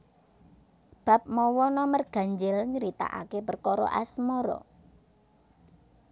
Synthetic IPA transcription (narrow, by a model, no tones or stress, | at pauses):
b̥a̤p̚mɔwɔnɔmərɡ̥a̤ɲd͡ʒɪlɲəɾit̪a̰ʔa̰kepərkɔɾɔ̰ʔasmɔɾɔ̰